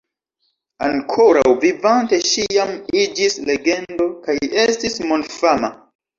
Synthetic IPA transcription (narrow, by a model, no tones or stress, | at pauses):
aŋkʰoɾa̰wvivante̞ʃijamid͡ʒisleɡe̞ndo̞kajestismonfama